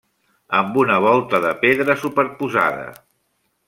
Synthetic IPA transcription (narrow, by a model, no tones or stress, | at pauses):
əmbunəβ̞ɔlˠt̪əðəpeðɾəsupəɾpuza̰ðə̰